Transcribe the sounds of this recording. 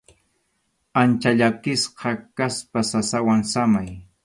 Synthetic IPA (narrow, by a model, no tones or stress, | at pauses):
ant͡ʃaʎakɪsqɑkaspasasawaŋsamaj